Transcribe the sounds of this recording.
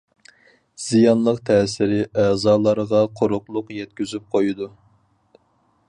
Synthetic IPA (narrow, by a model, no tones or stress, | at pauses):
z̥ijɑnlˠəqt̪ʰɛːsɪɾɪæːzɑːlˠɑɾəʁɑqʰoɾʊqlˠʊqjɛt̪̚kʲyzyp̚qʰojud̪u